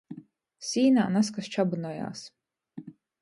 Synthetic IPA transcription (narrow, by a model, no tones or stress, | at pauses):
sʲiːna̰ːnaskast͡ʃabɨnɔja̰ːs